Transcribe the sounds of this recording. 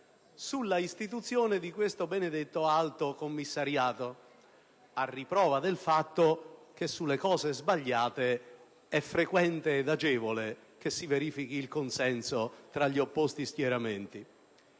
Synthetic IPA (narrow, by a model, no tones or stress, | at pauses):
sulːaist̪it̪̬ut̪sːjoːnɪd̪ikwest̪obened̪et̪ːoalt̪okomːisːaɾjaːt̪o | arːipɾɔːvad̪elfat̪ːokesːulːekɔːzezbaʎːaːt̪e | ɛfːɾekwɛnt̪eːd̪ad͡ʒɛːvole | kesːiveɾiːfik̟iːlkonsɛnsot̪ɾaʎːiopːost̪isk̪jɛɾament̪i